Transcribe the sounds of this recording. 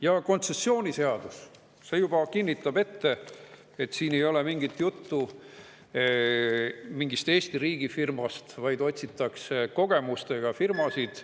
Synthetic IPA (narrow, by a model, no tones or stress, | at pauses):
jɑko̞nt̪se̞sːo̞ːnʲise̞ɑd̪̥us | se̞jub̥ɑkinʲːit̪ːˑɑb̥e̞t̪ːe̞ | et̪ːˑsiːne̞jo̞le̞miŋɡ̥it̪jut̪ːu | miŋɡist̪e̞ːst̪iɾiːɡ̥ifirmɑst̪vɑjd̪o̞t̪ʲsit̪ːˑɑkseko̞ɡ̥e̞must̪e̞ɡ̥ɑfirmɑsid̪̥